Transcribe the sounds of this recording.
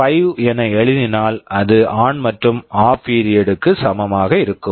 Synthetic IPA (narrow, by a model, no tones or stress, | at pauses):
pɐjɛnɐɛɭɪðɪnaːlɐðɯʔaːnmɐʈrɯmaːpiːɾɪjɛɽɯkːɯsɐmɐmaːɣɐɪɾɯkːɯm